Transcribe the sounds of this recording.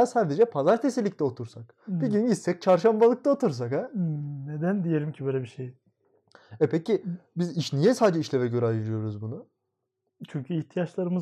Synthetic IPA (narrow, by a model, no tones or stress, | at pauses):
jasaɾd̪e̞d͡ʒɛpʰazaɾt̪ʰesilʲːicʲt̪ɛo̞t̪ʰuɾsak | biɟynɟit̪sɛc̚t͡ʃʰaɾʃambalˠɯk̚t̪ao̞t̪ʰuɾs̬akɛned̪ænd̪ijelʲimcʰibøːlʲɛbiʃej | ɛpʰɛcibiziʃnijɛsaːd̪d͡ʒɛiʃlʲɛvɛɟø̞ɾɛajɯɾɯjo̞ɾuzbunʊ | t͡ʃʰyɲcʰyiçt̪ʰijat͡ʃlˠaɾɯmɯ